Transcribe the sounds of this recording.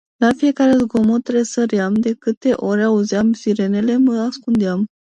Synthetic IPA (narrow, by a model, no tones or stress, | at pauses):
lafije̞kaɾezɡomot̪ɾesəɾjamd̪e̞kɨt̪e̞ʔo̞ɾʲauzjamsiɾe̞ne̞le̞məaskund̪ejam